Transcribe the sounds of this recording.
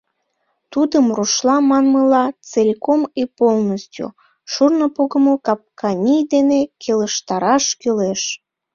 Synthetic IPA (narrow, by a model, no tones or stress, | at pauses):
t̪ud̪əmruʃlɑmɑnməlɑt͡selʲkomipolˠnəstʲṵ | ʃurnopoɣəmokɑp̚kʰɑnʲijd̪enekʰeləʃt̪ɑɾɑʃkyleʃ